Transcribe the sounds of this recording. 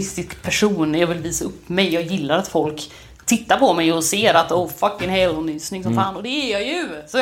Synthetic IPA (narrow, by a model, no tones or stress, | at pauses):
ɪst̪ɪskpʰæʂuːnjɑːvɪlviːsaɵpːmɛjːɑːɡjɪlːaɾat̪fɔlk | t̪ʰɪt̪ːaɾpʰɔmɛjɔseːɾat̪ɔʊfakːɪnhɛːlɔnyːsnɪŋsɔmfaːnɔd̪ɛːɾjɑjɵsɔ